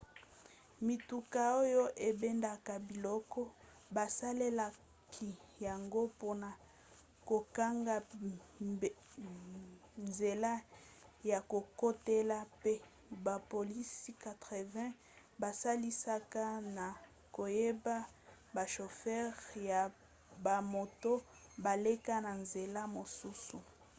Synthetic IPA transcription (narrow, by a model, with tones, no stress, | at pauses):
mi˨tu˨ka˨o˦jo˦ʔe˨be˦nda˦ka˨bi˨lɔ˦kɔ˦ | ba˨sa˦le˦la˨ | kʰi˨ja˨ŋɡo˦po˦na˨ | ko˨ka˦ŋɡa˦ | nze˨la˦ja˨ko˨ko˦te˦la˦pe˦ | ba˨po˨li˦si˦ka˨tʁe˨vɛ̃˦ | ba˨sa˦li˦sa˦ka˦na˨ | ko˨je˦ba˦ | ba˨ʃo˨fɛ˦ʁja˨ | ba˨mo˨to˦ba˨le˦ka˦na˨nze˨la˦mo˨su˦su˨